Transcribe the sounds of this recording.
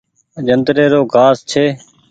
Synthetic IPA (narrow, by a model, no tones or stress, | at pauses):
d͡ʒənd̪ɾeːɾoːɡʱaːst͡ʃʰeː